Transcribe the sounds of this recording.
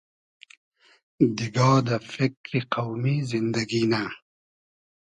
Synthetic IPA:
d̪iɡɑːd̪əfɪkɾiqawmizɪnd̪aɡina

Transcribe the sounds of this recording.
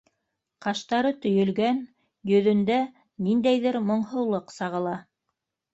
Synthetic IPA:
qɑʃt̪ɑɾɤt̪ɵ̆jɵ̆lɡæn | jɵ̆ðɵ̆nd̪æ | nind̪æjðɘɾmŏɴɦɤ̆wlˠɤqsɑʁɤ̆lˠɑ

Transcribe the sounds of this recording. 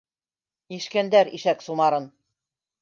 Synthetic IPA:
iʃkænd̪æɾiʃæksumɑɾɤn

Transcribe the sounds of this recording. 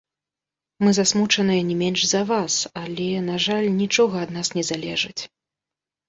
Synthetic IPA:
mɨzasmut͡ʂɐnɨjɐnʲɛmʲɛnʂzɐvasalʲɛnaʐalʲnʲit͡ʂɔɣɐːd̪nasnʲɛzalʲɛʐɨt͡sʲ

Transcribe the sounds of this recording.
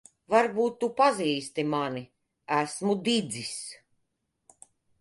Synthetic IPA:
vaɾbuːt̪ːupaziːst̪imani | æsmud̪id̪zis

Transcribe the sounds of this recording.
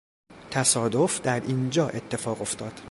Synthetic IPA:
t̪ʰæsɒːd̪ofd̪æɾiːnd͡ʒɒːʔe̞t̪ʰːe̞fɒːɣo̞ft̪ʰɒːd̪̥

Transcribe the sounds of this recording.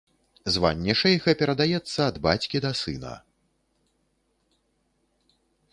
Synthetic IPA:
zva̰nʲːɛʂɐjɣɐpʲɛɾɐd̪ajɛt̪sːɐːd̪bat͡sʲkʲid̪ɐsɨ̰nɐ̰

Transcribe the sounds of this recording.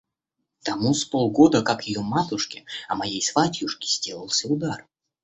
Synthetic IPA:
t̪ɐmuspolˠɡo̞d̪əkakjɪjomat̪ʊʂkʲɪɐmɐjejsvatʲjuʂkʲɪ̥z̥ʲdʲelˠəlˠsʲəʊd̪ar

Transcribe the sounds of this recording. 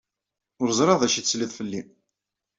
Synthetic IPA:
ʊɾzˤɾˤɑðæʃitt͡sːliðˤfəlːi

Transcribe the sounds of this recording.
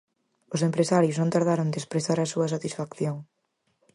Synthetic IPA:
ʊsempɾesaɾjoznõnt̪aɾðaɾoŋnd̪espɾeθaɾɐsuɐs̬at̪isfakθjoŋ

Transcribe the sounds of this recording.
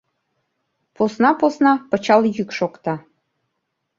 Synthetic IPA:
posnɑposnɑpɤ̆t͡ɕɑljykʃokt̪ɑ

